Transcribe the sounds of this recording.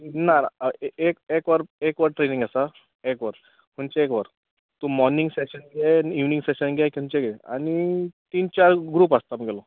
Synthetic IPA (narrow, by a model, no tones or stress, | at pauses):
naekekʋəɾekʋəɾʈɾenĩŋɡasa | ekʋəɾ | m̤unt͡ɕeekʋəɾ | t̪ũmɔɾniŋɡseɕənɡeiʋnĩŋɡseɕənɡeki̤unt͡ɕeɡea̰ñit̪iːnt͡ɕaɾɡɾuːpast̪aməɡelɔ